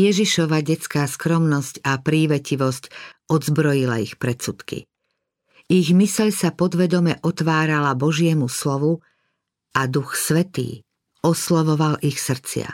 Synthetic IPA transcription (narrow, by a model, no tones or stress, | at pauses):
jɛʒiʃɔʋaɟɛt͡skaːskɾɔmnɔscapɾiːʋɛciʋɔscɔd̪zbɾɔjila̰ixpɾɛt͡sut̪kḭ | iɣmisɛʎsapɔd̪ʋɛd̪ɔmɛʔɔt̪ʋaːɾalabɔʒɪɛmuslɔʋu | ʔad̪uxsʋɛt̪ḭː | ɔslɔʋɔʋalʔixsr̩t͡sɪa̰